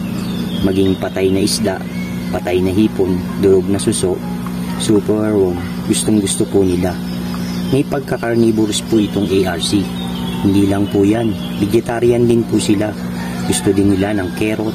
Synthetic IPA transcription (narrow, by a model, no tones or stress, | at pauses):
mɐɡiŋpɐt̪ajnɐʔɪsd̪a̰ʔ | pɐt̪ajnɐɦiːpond̪ʊɾoɡ̚nɐsʊsoʔ | suːpɛɛɹwoŋ | ɡʊst̪oŋɡʊst̪opunɪla | mɐjpɐɡ̚kɐkɐɹniːboɾspʊʔɪt̪o̞ŋʔejʔaɹsi | hɪnd̪iːlɐŋpujan | bɪd͡ʒɛt̪aɾɪjɐnd̪ɪnpʊsɪla | ɡʊst̪od̪ɪnːɪlanɐŋkɛːɾo̞